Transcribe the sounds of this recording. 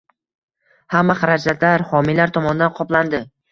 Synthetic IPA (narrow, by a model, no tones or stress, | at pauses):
hamːaχaɾad͡ʒat̪laɾhɒmilaɾt̪ʰɒmɒnɪd̪anqʰɒpland̪ɪ